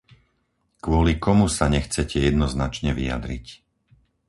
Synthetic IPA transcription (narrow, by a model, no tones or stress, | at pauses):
kʊɔlikɔmusaɲɛxt͡sɛcʰɛjɛd̪nɔznat͡ʃɲɛʋḭja̰d̪ɾḭc